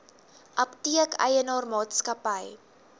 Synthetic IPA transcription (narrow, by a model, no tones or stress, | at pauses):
ʔɐptiəkə̰jənɑːrmɑːtskɐpəj